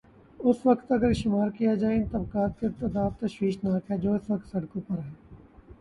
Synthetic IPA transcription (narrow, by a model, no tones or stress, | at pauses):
ʊsʋɐkt̪ɐɡəɾʃɪmaːɾkijad͡ʒaːent̪ɐb̚kaːt̪̚kɪɾt̪ɐd̪aːft̪ɐʃʋiːʃnaːkʰɦɛd͡ʒoːɪsʋɐkt̪sɐɽkõpɐɾɦɛː